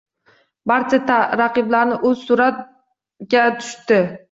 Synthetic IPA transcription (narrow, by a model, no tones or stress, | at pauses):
baɾt͡ʃʰat̪ʰaɾaqɨblaɾnɪʔɵzsʊɾat̪̚ | ɡʲat̪ʰʊ̥ʃt̪ɪ